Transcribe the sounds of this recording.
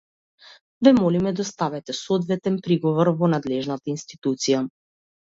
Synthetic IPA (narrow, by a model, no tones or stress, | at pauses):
vɛmɔlimɛd̪ɔst̪avɛt̪ɛsɔd̪vɛt̪ɛnpɾiɡɔvɔɾvɔnad̪lɛʒnat̪ainst̪i̥t̪ut̪sija